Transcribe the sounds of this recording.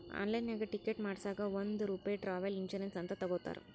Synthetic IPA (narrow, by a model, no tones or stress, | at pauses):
a̰ːnlɐjnaːɡɐʈɪkːeʈmaːɽsaːɡɐond̪uɾuːpaːjʈɾaːʋɐliɲt͡ʃɐɾensɐnt̪ɐt̪ɐɡoːt̪ːa̰ːɾṵ